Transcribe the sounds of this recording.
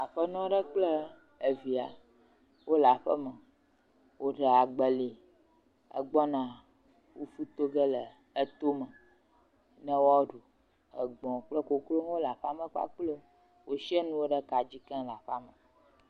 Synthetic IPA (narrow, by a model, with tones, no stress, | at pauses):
a˨ɸə˦nɔ̃˦ɖə˦k͡plə˦ | ə˨vi˨a˨ | wo˦la˨ɸə˦mə˨ | wo˦ɖə˨a˨ɡ͡bə˨li˨ | ə̰˨ɡ͡bɔ˦nã˨ | wo˦fu˦t̪o˦ɡə˦lə˨ | ə˦t̪o˦mə˨ | nə̃˦wɔ˦ɖo˨ | ə˨ɡ͡bɔ̃˨k͡plə˦ko˨klo˦n˦wo˦la˨ɸa˦mə̃˦k͡pa̰˦k͡plo˦ | wo˦ʃi˦ə˦nũ˦wo˦ɖə˦ka˨d͡ʑi˦kɛ̃˦la˨ɸa˦mə˨